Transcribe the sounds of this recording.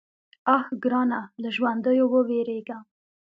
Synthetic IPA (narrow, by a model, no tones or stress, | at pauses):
axɡɾɑːnaləʒwand̪əjowəweɾeɡa